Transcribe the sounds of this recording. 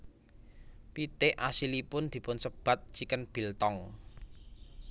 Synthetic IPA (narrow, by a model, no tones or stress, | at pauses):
pit̪eʔasilipʊnd̪̥i̤pʊnsəb̥a̤t̪̚t͡ʃikənb̥i̤lt̪ɔŋ